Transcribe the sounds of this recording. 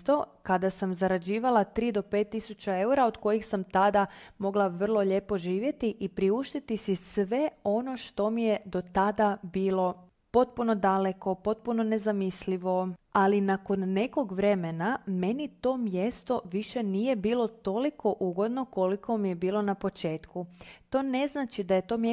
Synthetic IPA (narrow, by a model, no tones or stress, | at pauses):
t̪o̞kad̪asamzaɾad͡ʑiːʋalˠat̪ɾiːd̪o̞pe̞ːt̪ːisut͡ɕae̞uɾaod̪ko̞jixsamt̪ad̪amo̞ɡlˠaʋr̩lˠo̞ʎe̞ːpo̞ʒiːʋje̞t̪iʔipɾiuʃt̪it̪isisʋe̞o̞no̞ʃt̪o̞mije̞d̪o̞t̪ad̪abiːlo̞ | po̞t̪̚puno̞d̪aleko̞po̞t̪̚puno̞ne̞zamisliʋo̞alinako̞nːe̞ko̞ɡʋɾe̞me̞name̞nit̪o̞mjest̪o̞ʋiʃeniːje̞biːlˠo̞t̪o̞likʰo̞ʔuɡo̞d̪no̞ko̞likʰo̞mije̞biːlˠo̞napo̞t͡ʃe̞ːt̪kut̪o̞ːne̞znaːt͡ʃid̪aje̞t̪o̞ːme